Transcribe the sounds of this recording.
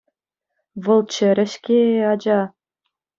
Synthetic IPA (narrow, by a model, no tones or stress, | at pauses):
vɤ̆lˠt͡ɕɘ̆ɾʲɘ̆ɕkʲeɑd͡ʑɑ